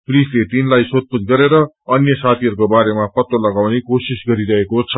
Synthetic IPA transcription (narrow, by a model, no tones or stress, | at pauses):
prislet̪inlajsot̪̚pud͡zɡʌɾeɾʌ | ʌnjʌsat̪ʰiɦʌɾukobaɾemapʌt̪olʌɡawnekosisɡʌɾiɾʌɦekot͡sʰʌ